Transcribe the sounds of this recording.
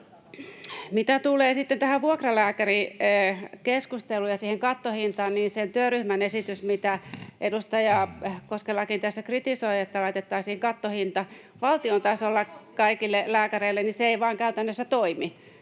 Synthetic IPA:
mit̪æt̪uleːsit̪ːent̪æhæʋʋuokrɑlæːkæri | keskust̪elːujɑsiːheŋkɑt̪ːohint̪ɑːnniːnsent̪yøryhmænesit̪ysmit̪æʔedust̪ɑjɑkoskelːɑkint̪æsːækrit̪isoiet̪ːælɑit̪et̪ːɑːsiːheŋkɑt̪ːohint̪ɑ | ʋɑlt̪iont̪ɑsolːɑkɑikilːelæːkæreilːenniseeiʋɑːŋkæyt̪ænːøsːæt̪oimi

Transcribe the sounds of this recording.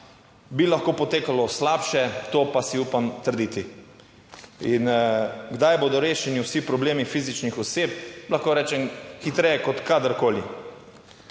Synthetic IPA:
bilaxkoːpɔt̪eːkalɔslapʃɛt̪oːpasiuːpamt̪əɾd̪iːt̪i | inɡd̪ajboːd̪ɔɾeːʃɛniwsipɾɔbleːmifizit͡ʃnixɔseːp̚laxkoːɾɛːt͡ʃɛmxit̪ɾɛjɛkɔt̪kad̪əɾkoːli

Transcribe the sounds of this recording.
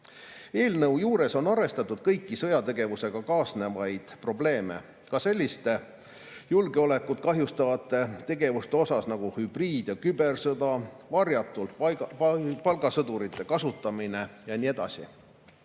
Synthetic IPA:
e̞ːlnɤwjuːɾe̞so̞nɑɾe̞st̪ɑt̪ːˑud̪̥kɤjkːisɤ̞jɑt̪e̞ɡ̥e̞vuse̞ɡ̥ɑkɑːsne̞vɑjd̪̥pro̞ble̞ːme̞̰ | kɑse̞lʲːist̪e̞ | julɡeo̞le̞kːˑut̪̚kɑɦjust̪ɑvɑt̪ːˑe̞t̪e̞ɡe̞vust̪e̞o̞sɑsnɑɡ̥uhyb̥riːd̪̥jɑkybe̞rsɤd̪ɑ | vɑrjɑt̪ːˑult̪ | pɑlɡɑsɤd̪uɾit̪ːˑe̞kɑsut̪ːˑɑmine̞jɑnʲie̞d̪̥ɑ̰sḭ

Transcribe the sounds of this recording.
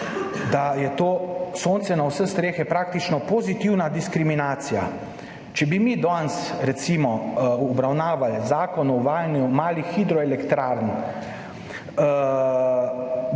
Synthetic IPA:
d̪ajɛt̪oːsoːnt̪sɛnawsəst̪ɾeːxɛpɾaːk̚t̪it͡ʃnɔpozit̪iwnad̪iskɾiminaːt̪sija | t͡ʃɛbimid̪ɔnsɾɛt̪simɔɔbɾawnaːʋalzaːkɔnɔʋaːjnjumaːlixid̪ɾɔɛlɛkt̪ɾaːɾn

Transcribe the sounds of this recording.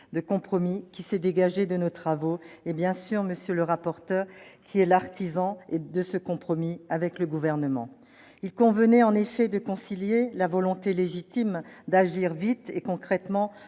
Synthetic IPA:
d̪əkɔ̃pχɔmikʲisɛd̪eɡaʒed̪ənot̪χavoebjɛ̃syʁməsjøləʁapɔʁt̪œʁkʲʰiɛlaʁt̪izɑ̃ed̪əsəkɔ̃pχɔmiavɛkləɡuvɛʁnəmɑ̰̃ | ilkɔ̃vənɛɑ̃nefɛd̪əkɔ̃siljelavɔlɔ̃t̪eleʒit̪imd̪aʒiʁvit̪ekɔ̃kχɛt̪mɑ̃

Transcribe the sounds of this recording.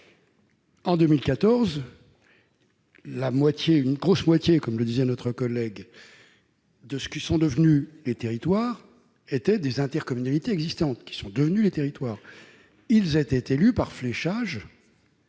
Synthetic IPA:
ɑ̃d̪ømilkat̪ɔʁz | lamwat̪jeynɡʁosmwat̪jekɔmləd̪izɛnɔt̪χəkɔlɛɡ | d̪əsə̥kʲisɔ̃d̪əvnylet̪eʁit̪waːʁ | et̪ɛd̪ezɛ̃t̪ɛʁkɔmynalit̪eɛɡzist̪ɑ̃t̪kʲi̥sɔ̃d̪əvnylet̪eʁit̪waːʁ | ilzɛt̪ɛt̪elypaʁflɛʃaʒ

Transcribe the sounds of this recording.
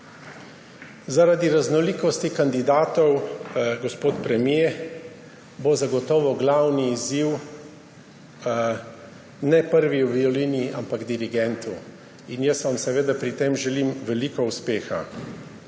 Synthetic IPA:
zaɾad̪iɾaznɔliːkɔst̪ikand̪id̪aːt̪ɔwɡɔspoːt̪pɾɛmje | bozaɡɔt̪ɔːʋɔɡlawniːziw | nɛpəɾʋiwbiɔliːniʔa̰mpaɡd̪iɾiɡɛnt̪u | injəsʋamsɛʋeːd̪apɾit̪emʒɛlimʋɛliːkɔuspeːxa̰

